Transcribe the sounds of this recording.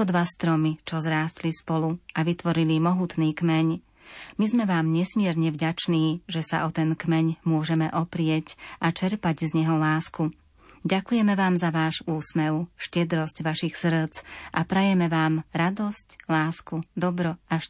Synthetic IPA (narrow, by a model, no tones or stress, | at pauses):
ɔd̪ʋast̪ɾɔmit͡ʃɔzɾaːst̪lispɔluaʋit̪ʋɔɾilimɔɦuːt̪niːkmɛɲ | mizmɛʋaːmɲɛsmɪɛɾɲɛvɟat͡ʃniːʒɛsa̰ʔɔt̪ɛnkmɛɲmʊɔʒɛmɛʔɔpɾɪɛcʔat͡ʃɛɾpaɟzɲɛɦɔlaːsku | ɟakujɛmɛʋaːmzaʋaːʒuːsmɛʊʃcɛd̪ɾɔscʋaʃixsr̩t͡sʔapɾɛjɛmɛʋaːmɾad̪ɔsclaːskud̪ɔbɾɔaʃ